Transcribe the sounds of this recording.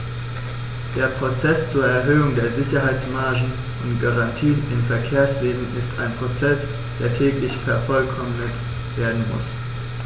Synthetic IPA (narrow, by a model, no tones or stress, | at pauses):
d̥eːɐpʁ̥ot͡sɛst͡suːɐɛɐɦøːʊŋdeːɐzɪçɐɦaɪt͡smaɐʒn̩ | ʔʊntɡ̥aʁantʰiːnɪmfɛɐkʰeːɐsv̥eːzn̩ɪstʰa̰ɪnpʁ̥ot͡sɛs | d̥eːɐtʰɛːklɪçfɛɐfɔlkʰɔmnət | v̥eːɐdn̩mʊ̰s